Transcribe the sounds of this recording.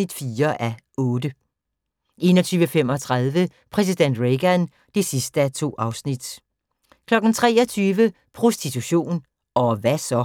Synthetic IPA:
id̥fiːɐʔæ | ɔ̽ːd̥ə | ʔe̝̰ːnɒt͡sʰyːʋəfem̰ɒ̽t͡sʰʁɑð̞ˠʋəpʰʁɛs̬id̥en̰d̥ʁeɡ̥æn | d̥e̝sisd̥əæt͡sʰo̝̰ːɑ̈ʊsnid̥ | kʰlɒ̽ɡ̥n̩t͡sʰʁɛ̰ːɒ̽t͡sʰyːʋə | pʰʁo̝sd̥it͡sʰuɕo̝̰ːn | ɒ̽ʋæsɒ̽

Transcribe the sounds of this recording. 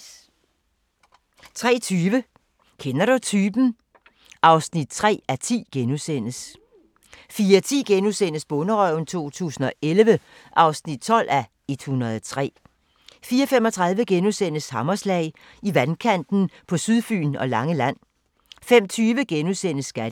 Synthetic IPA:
t͡sʰʁɛ̰ːt͡sʰyːʋə | kʰenɐɾut͡sʰyːb̥n̩ | ʔɑ̈ʊsnid̥̚t͡sʰʁɛ̰ːæt͡sʰḭːɡ̥enusen̰əs | fiːɐt͡sʰḭːɡ̥enusen̰əsb̥ɔ̽nəʁœʊn̩t͡sʰo̝̰ːt͡sʰṵːsn̩ɒ̽ʔelʋə | ʔɑ̈ʊsnid̥̚t͡sʰɒ̽l̰ʔæ | e̝d̥hunɐðˠɒt͡sʰʁɛ̰ː | fiːɐɒfemɒ̽t͡sʰʁɑ̈ðˠʋəɡ̥enusen̰əshɑ̈mɐslɛ̰ɪ | iʋænkʰæn̰d̥n̩pʰɒ̽syðˠfy̰ːnɒ̽lɑ̈ŋəlæn̰ | fem̰t͡sʰyːʋəɡ̥enusen̰əsːɡ̥æd

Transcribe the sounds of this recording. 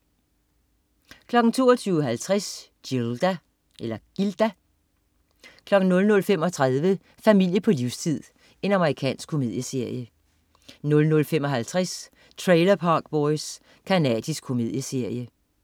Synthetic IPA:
kʰlɒ̽ɡ̥n̩t͡sʰo̝̰ːɐt͡sʰyːʊɦælt͡sʰʁas | d̥ild̥æ | ʔelɐɡ̥ild̥æ | kʰlɒ̽ɡ̥n̩nɔ̽lnɔ̽lfemɒ̽t͡sʰʁað̞ˠʋə | fæmil̰jəpʰɒ̽liʊst͡sʰið̰ˠ | e̝nɑ̈məʁikʰɛ̰ːnsɡ̥kʰo̝me̝ðˠjəse̝ɐ̰jə | nɔ̽lnɔ̽lfemɒ̽ɦælt͡sʰʁas | t͡sʰʁeɪlɐpʰɑ̈ːɡ̥̚b̥ɒɪs | kʰænɛ̰ːd̥isɡ̥̚kʰo̝me̝ð̞̰ˠjəse̝ɐ̰jə

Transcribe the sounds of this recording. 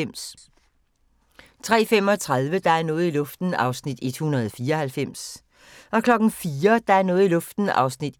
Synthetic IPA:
m̰s | t͡sʰʁɛ̰ːfem̰ɒ̽t͡sʰʁað̞ˠʋəd̥ɑ̈æɐnɔ̽ːð̩ˠilɔ̽fd̥n̩ɑ̈ʊsnid̥e̝d̥hunɐð̞̩ˠɒfiːɐɒ̽hælfem̰s | ʔɒ̽kʰlɒ̽ɡ̥n̩fiːɐd̥ɑ̈æɐnɔ̽ːð̩ˠilɔ̽fd̥n̩ɑ̈ʊsnid̥

